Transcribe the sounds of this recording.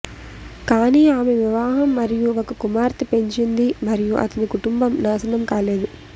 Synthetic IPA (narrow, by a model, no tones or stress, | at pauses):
kaːniːaːmeʋiʋaːɦɐmːɐɾijuʋɐkɐkumaːɾt̪ipeɲt͡ʃind̪imɐɾijuʔɐ̰t̪ɐnikuʈumbɐmnaːsɐnɐmkaːleːd̪u